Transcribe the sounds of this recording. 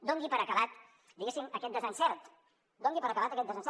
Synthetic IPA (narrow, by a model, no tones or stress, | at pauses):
d̪oŋɡipəɾəkəβat̪ | d̪iɣesiməkɛt̪̚d̪əzansɛɾt̪ | d̪ɔŋɡipəɾəkəβat̪əkɛt̪d̪əzansɛ